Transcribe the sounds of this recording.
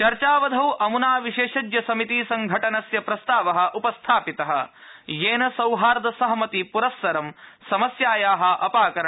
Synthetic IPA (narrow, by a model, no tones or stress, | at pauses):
t͡ʃɐɾt͡ʃaːʋɐd̪ʱɐwʔɐmunaːʋiʃeːʃɐd͡ʒjɐsɐmit̪isɐŋɡʱɐʈɐnɐsjɐpɾɐst̪aːʋɐɦɐ̆ʔupɐst̪ʰaːpit̪ɐɦɐ̰̆jeːnɐsɐwɦaːɾd̪ɐsɐɦɐmɐt̪ipuɾɐsːɐɾɐmsɐmɐsjaːjaːɦɐ̆ʔɐpaːkɐɾɐ